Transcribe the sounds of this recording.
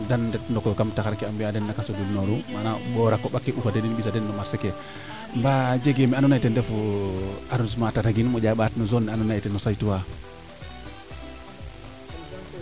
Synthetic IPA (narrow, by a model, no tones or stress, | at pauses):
dandɛtndɔkɔkamtaxaɾkiambiadɛnːakasodulnoɾumanaɓɔɾakːɔɓakːeʔufadeninɓisadɛnːɔmaɾseke | mbad͡ʒeɡemianunajtendɛfu | aɾunsmatataɡinmɔd͡ʒaɓatnɔzonːɛanɔnajtɛnɔsajtuwa